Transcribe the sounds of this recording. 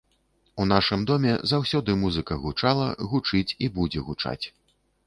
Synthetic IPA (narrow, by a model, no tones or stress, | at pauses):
un̪aʂɨmd̪ɔmʲɛ̰zawsʲɔd̪ɨmuzɨkɐɣut͡ʂalˠɐ̰ɣut͡ʂɨt͡sʲibud͡zʲɛɣut͡ʂa̰t͡sʲ